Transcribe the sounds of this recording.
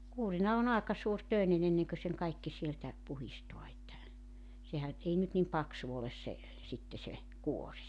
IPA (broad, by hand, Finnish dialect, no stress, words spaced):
kuːrinɑ on ɑekɑ suːrtøˑenen enːeŋkø seŋ kɑikːi sieltæ puhistoɑ etːæ sehæn ei nyt nim pɑksu oles se sitːe se kuorʲ